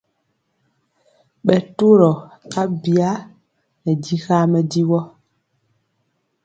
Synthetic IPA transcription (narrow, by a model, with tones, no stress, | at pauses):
ɓɛ˨to˦ɾɔ˨ka˦bi˨a˦ | nɛ˨di˦xa˦mɛ˨di˦wɔ˦